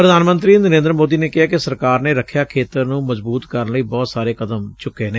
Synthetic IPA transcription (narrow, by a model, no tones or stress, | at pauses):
pɾəd̪aːnmə̃nt̪ɾiːnəɾẽːnd̪ɾəmoːd̪iːneːkɪɦaːkɪsəɾkaːɾneːɾəkʰːjaːkʰeːt̪əɾnũːməzbuːt̪kəɾənləiːbɔːt̪saːɾeːkəd̪əmmt͡ʃʊkːeːneː